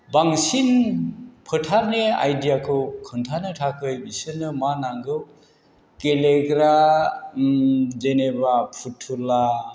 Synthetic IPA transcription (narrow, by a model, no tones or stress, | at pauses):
baŋsin | pʰɯtʰaɾnea̰jdijakʰɯwkʰɯntʰanɯtʰakʰɯjbisɯnɯmanaŋɡɯw | keleɡɾa | d͡ʒenebapʰutʰːula